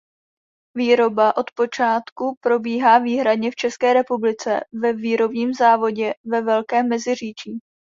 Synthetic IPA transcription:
viːɾo̞baʔo̞t̪po̞t͡ʃaːt̪kupɾo̞biːɦaːviːɦɾadɲɛft͡ʃɛskɛːɾɛpublɪt͡sɛ̰vɛviːɾo̞bɲiːmzaːvo̞ɟɛvɛvɛlkɛːmːɛzɪr̝iːt͡ʃiː

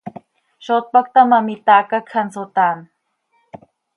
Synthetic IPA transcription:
ʃot̪̚pak̚t̪amamit̪aːkakʰansot̪aːn

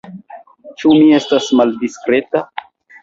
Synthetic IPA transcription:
t͡ʃumie̞stasmaldiskɾe̞ta

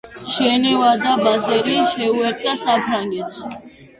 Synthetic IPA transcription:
ʃɛnɛvad̪abazɛɾiʃɛuɛɾt̪ʼasapʰɾaŋɡɛt̪s

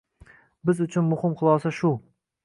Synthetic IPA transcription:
bɪzʊt͡ʃʰʊnmʊhɪmqɨlˠɒsaʃʊ

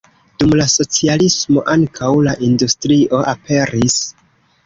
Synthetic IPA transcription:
d̥umlaso̞t͡sialismo̞̰ʔaŋkʰawlaʔindustɾiʔo̞ʔape̞ɾis

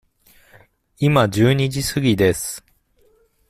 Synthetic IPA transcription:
imad͡ʑɨːɲ̟id͡ʑisɨɡʲid̪e̞sɨ̥

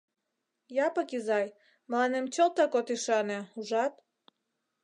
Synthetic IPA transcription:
jɑpəkizɑj | məlɑnemt͡ɕolt̪ɑkot̪iʃɑneuʒɑt̪

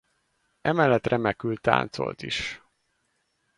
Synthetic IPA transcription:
ɛmɛlːɛt̪rɛmɛkylt̪ːa̰ːnt̪so̞̰lt̪iʃ

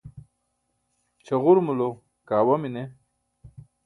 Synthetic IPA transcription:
t͡ɕʰɐɣuɾmulo | kaːwɐmine

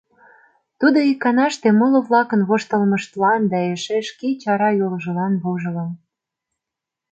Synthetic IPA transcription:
t̪ud̪oikːɑnɑʃt̪emɤ̆lŏβlɑkə̆nβoʃt̪ə̆lmə̆ʃt̪lɑnd̪ɑeʃeʃkit͡ɕɑɾɑjolʒɤ̆lɑnβoʒɤ̆ləm

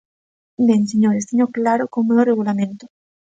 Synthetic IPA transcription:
denseɲoɾest̪eɲoklaɾokoŋmoðoreɣulamẽnt̪o

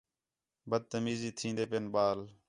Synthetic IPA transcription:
bəd̪̚t̪əmiːziːt̪ʰĩːnd̪eːpeːnɓaːl

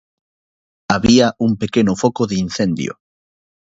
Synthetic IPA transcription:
aβiaʔuŋpekenʊfokoðin̟θend̪jo̰

